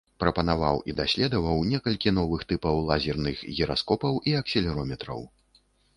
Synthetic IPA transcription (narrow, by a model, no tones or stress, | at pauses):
pɾɐpɐnava̰wʔḭd̪asʲlʲɛd̪ɐvɐwnʲɛkɐlʲkʲin̪ɔvɨxt̪ɨpɐwlˠazʲɛrnɨxɣʲɛɾaskɔpɐwʔiɐksʲilʲɛɾɔmʲɛt̪ɾɐ̰w